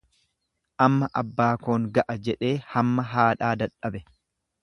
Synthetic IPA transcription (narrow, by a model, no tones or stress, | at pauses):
ʔɐmːɐʔɐbːaːkoːŋɡɐʔɐd͡ʒɛᶑe̞ːhɐmːɐɦaːᶑaːd̪ɐᶑɐbɛ